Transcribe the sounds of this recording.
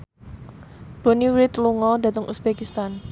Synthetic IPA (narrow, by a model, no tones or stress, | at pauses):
b̥o̤niwɾɪt̪luŋɔd̥a̤t̪əŋʔusb̥ɛkist̪an